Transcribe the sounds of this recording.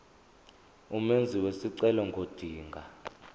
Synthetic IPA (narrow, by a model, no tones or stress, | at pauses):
umend͡zʱiwesiǀɛlɔŋɡʱod̥ʱiːŋɡʱa